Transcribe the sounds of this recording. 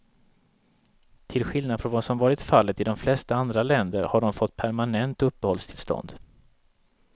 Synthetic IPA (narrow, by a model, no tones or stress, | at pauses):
t̪ʰɪlɧɪlnad̪fɾɔnvasɔmvɑːɾɪt̪falːət̪ɪd̪ɔmflɛst̪aand̪ɾalɛnd̪əɾhaɖɔmfɔt̪ːpʰæɾmanɛnt̪ɵpːəhɔlst̪ʰɪlst̪ɔ̰nd̪